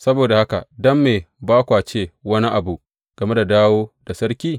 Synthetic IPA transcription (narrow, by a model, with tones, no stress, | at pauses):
sɐ˦boː˨da˨ha˦ka̰˨dɐ˦mːeː˨baː˦kʷaː˨t͡ʃeː˦˨wɐ˦ni˦ʔa˨bu˨ʔ | ɡ̥ɐ˨me˦da˨daː˦woː˦da˨sɐ˦ɾkʲiː˦